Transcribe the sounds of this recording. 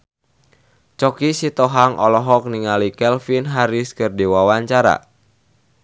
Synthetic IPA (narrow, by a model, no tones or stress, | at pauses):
t͡ʃɔkisit̪ɔɦaŋʔɔlɔɦɔk̚niŋalikɛlfinɦaɾiskərdiwawaɲt͡ʃaɾa̰